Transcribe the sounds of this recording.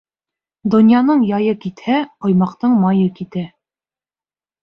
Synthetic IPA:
d̪ŏnʲjɑnɤɴjɑjɤkit̪hæqŏjmɑqt̪ɤɴmɑjɤkit̪æ

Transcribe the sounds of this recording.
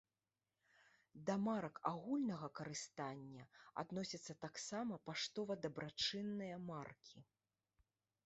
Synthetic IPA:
d̪ɐmaɾɐkaɣulʲnɐɣɐkɐɾɨst̪anʲːɐa̰d̪nɔsʲɐt̪sːɐt̪aksamɐpaʂt̪ɔvɐd̪ɐbɾat͡ʂɨnːɨjɐmarkʲʰi

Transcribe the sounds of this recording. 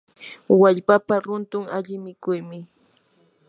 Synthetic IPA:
waʎpapaɾʊnt̪ʊŋaʎɪmɪkʊjmɪ

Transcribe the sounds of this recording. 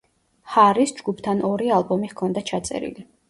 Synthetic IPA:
haɾisd͡ʒɡupʰt̪ʰanɔɾialˠbɔmiʁkʰɔnd̪at͡ʃʰat̪sʼɛ̰ɾḭli

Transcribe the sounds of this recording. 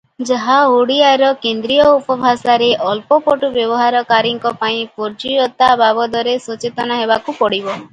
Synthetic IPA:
d͡ʒaɦaoɽiaɾɔkend̪ɾijɔupɔbʱasaɾeʔɔlpɔpɔʈubjɔbɔɦaɾɔkaɾiŋkɔpaĩpɔɾd͡ʒiɔt̪ababɔd̪ɔɾesɔt͡ʃet̪ɔnaɦebakupɔɽibɔ

